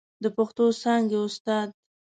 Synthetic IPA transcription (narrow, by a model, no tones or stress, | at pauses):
d̪əpaxt̪osɑŋɡeʊst̪ɑd̪̚